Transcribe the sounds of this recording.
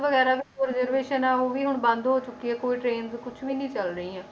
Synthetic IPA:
ʋəɡɛːɾaːʋɪt͡ʃəɾzəɾʋeːʃənaːɦoːʋiːɦʊɳbãːnd̪ɦoːt͡ʃʊkːiɛːkoːiːʈɾeːnzkʊt͡ʃʰʋiːnĩːt͡ʃəlɾəĩːɛ̃ː

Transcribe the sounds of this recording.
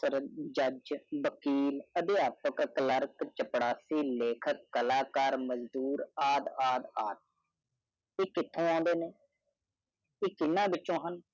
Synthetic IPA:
səɾd͡ʒəd͡ʒʋəkiːləd̪eaːpəkkləɾkt͡ʃəpɽaːsiːleːkʰəkːəlaːkaːɾməzd̪uːɾaːd̪aːd̪aːt̪̚ | eːkɪt̪ʰːõːãːnd̪eːneː | eːkɪnːãːbɪt͡ʃːõːɦən

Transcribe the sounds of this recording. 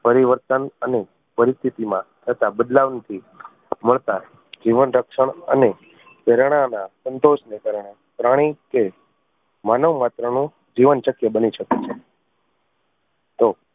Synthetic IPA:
pəɾiʋəɾt̪ənəne | pəɾist̪ʰit̪imãt̪ʰət̪abəd̪laʋnt̪ʰi | məɭt̪a | d͡ʒiʋənɾəkʃəɳ̃ə̰ne | peɾɳ̃anasənt̪oʃnekaɾɳ̃e | pɾaɽ̃ike | manəʋmat̪ɾənũ | d͡ʒiʋənʃəkjəbəniʃəket͡ʃʰe | t̪o

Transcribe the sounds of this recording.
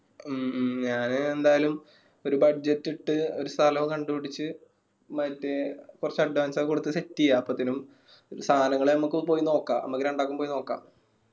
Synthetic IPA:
ɲaːnɨend̪aːjɐlum | o̞ɾubɐɖd͡ʑetːiʈːɨo̞ɾust̪ʰɐlɐkɐɳɖupiɽit͡ɕːɨ | mɐtːekurɐt͡ɕːɐɖːʋaːnsakuɽut̪ːɨsetːijːaːpːot̪ːinum | st̪ʰaːnɐŋːɐɭenɐmːukːɨpo̞ːjino̞ːkːaːɐ̰mːɐkːiɾeɳɖaːkːumpoːjino̞ːkːa̰ː

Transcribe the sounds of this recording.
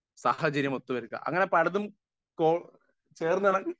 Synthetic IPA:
sa̰ːhɐt͡ɕɐɾjɐmot̪ːuʋɐɾukːɐ̰ʔɐ̰ŋːɐne̞pɐɽɐðum | koː | t͡ɕe̞ːrnːɨaɳɐ

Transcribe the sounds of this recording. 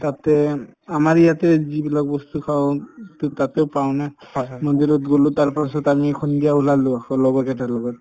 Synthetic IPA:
tatɛamaɹijatɛzibilak̚bɔstukʰawʊttateʊpaʊ̃nanɔd̪iɾɔtɡolʊtaɹpasɔtamikʰɔndijaulalʊ̃akʰɔlɔbɔkɛtʰalɔɡɔt

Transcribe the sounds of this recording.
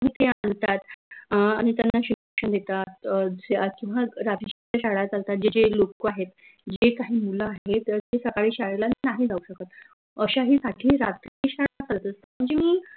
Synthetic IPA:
ɦiːt̪eant̪at̪aɽ̃it̪janːaɕikəkʂəɳd̪et̪at̪ | kĩw̃ʋaɾat̪ɾiɕt͡ɕaɕaɽat̪alt̪at̪̚d͡ʑed͡ʑelokoaɦet̪ | d͡ʑekaɦiːmuləaɦet̪əɾt̪esəkaɭiːɕaɭelaninaɦiːd͡zʱauɕəkət̪ | əɕaɦiːsaʈʰiːɾat̪ɾiɕaɽat͡salət̪əst̪am̤əɳd͡zemiː

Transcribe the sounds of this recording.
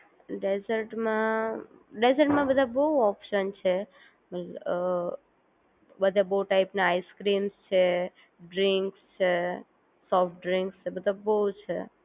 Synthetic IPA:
ɖezəɾʈmã | ɖezəɾʈmãbəd̪ʱabəuɔpʃənt͡ʃʰe | mət̪l | bəd̪ʱabəuʈaɪpnaaiskɾimst͡ʃʰe | ɖɾiŋkst͡ʃʰe | sɔfʈ̚ɖɾiŋkst͡ʃʰebəd̪ʱabəut͡ʃʰḛ

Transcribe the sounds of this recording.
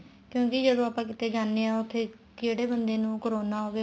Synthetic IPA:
kjõːkɪd͡ʒəd̪õːaːpãːkɪt̪eːɡaːnːeːãːʊt̪ʰːeː | keːɽeːbənd̪eːnũːkoɾoːnaːɦoːɡeː

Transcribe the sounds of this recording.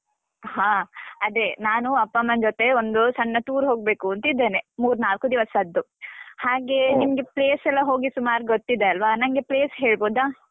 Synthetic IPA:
haːɐd̪e̞naːnuɐpːɐmɐnd͡ʒot̪e̞ond̪usɐɳːɐt̪uːɾɦo̞ːɡ̚be̞ːkuɐnt̪ɐid̪ːeːnemuːɾnaːlkud̪iʋɐsɐd̪ːu | haːɡe̞nimɐɡe̞pɭeːsɛlːɐɦo̞ːɡisumaːɾɡot̪ːid̪eɐlʋɐnɐŋɡe̞pɭeːsɦe̞ːɭboːd̪aː

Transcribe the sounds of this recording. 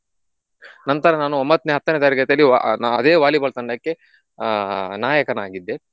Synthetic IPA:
nɐnt̪ɐɾɐnaːnuombɐt̪ːneɦɐt̪ːɐneːt̪ɐɾiɡɐt̪ɐlːia̰nɐd̪eːʋaːlibɐɭt̪ɐɳɖɐkːe̞ | naːjɐkɐnaːɡid̪ːe̞

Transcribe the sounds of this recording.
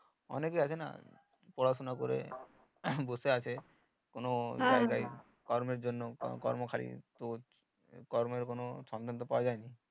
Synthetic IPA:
ɔ̰nekeat͡ɕʰena̰ | pɔɽasonako̰ɾḛ | bost̪eat͡ɕʰe | konod͡ʑajkai | kɔɾmeɾd͡ʑonːokkɔ̰ɾmokʰaɾḭt̪o | kɔɾmeɾkonoʃɔnt̪ʰant̪opawad͡ʒaeni

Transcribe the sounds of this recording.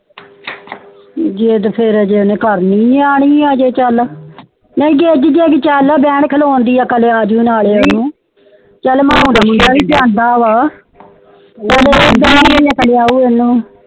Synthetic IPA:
d͡ʒeːd̪pʰɪɾːd͡ʒeːnẽːkəɾnĩːaːɳ̃iːaːd͡ʒeːt͡ʃəl | neĩɡeːd͡ʒd͡ʒeːɡt͡ʃəlːbɛ̃ːɳkʰəloːnd̪iːaːkəleːaːd͡ʒuːnaːɭeːonũː | t͡ʃəlmãːõːdaːməd͡ʒaːʋiːt͡ʃãːnd̪aːʋaː | t͡ʃəleb̪ənːeaːkəleaːuːenːũː

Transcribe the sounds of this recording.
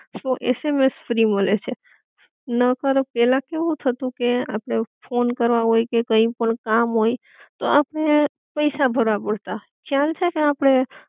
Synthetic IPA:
soʔḛsemesfɾiməlet͡ʃʰe | nəkəɾopɛlãkeʋũt̪ʰət̪ũkea̰pɽ̃efʰonkəɾʋaɦojkekəĩpəɳkamɦoi | t̪oapɽ̃e | pəjsabʱəɾʋabəɽt̪a | kʰjalt͡ʃʰekeapɽ̃e

